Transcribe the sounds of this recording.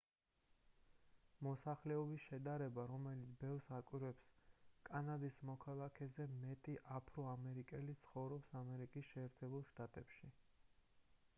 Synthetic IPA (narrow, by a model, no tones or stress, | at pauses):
mɔsaχlɛɔbisʃɛd̪aɾɛbaɾɔmɛlit̪sʰbɛlˠsakʼwiɾwɛpskʼanad̪ismɔkʰalˠakʰɛzɛmɛt̪ʼiʔapʰɾɔamɛɾikʼɛlit̪sʰχɔvɾɔpsamɛɾikʼisʃɛːɾt̪ʰɛbulˠʃt̪ʼat̪ʼɛpʃi